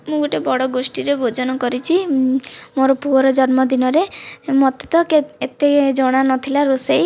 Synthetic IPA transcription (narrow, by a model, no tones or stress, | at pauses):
mũɡoʈebɔɽɔɡosʈiɾebʱod͡ʒɔnɔkɔɾit͡ʃʰi | moɾɔpuɔɾɔd͡ʒɔnmɔd̪inɔɾemɔt̪e̥t̪ɔkeet̪ed͡ʒɔɽ̃anɔt̪ʰilaɾosej